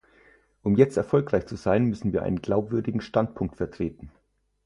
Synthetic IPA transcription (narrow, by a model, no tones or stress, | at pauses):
ʔʊmjɛt͡stɛɐfɔlkʁ̥aɪçt͡suzaɪnmʏsn̩viːɐʔa̰ɪnənɡlaʊpv̥ʏɐdɪɡŋ̩ʃtantpʰʊŋk̚tfɛɐtʁ̥eːtn̩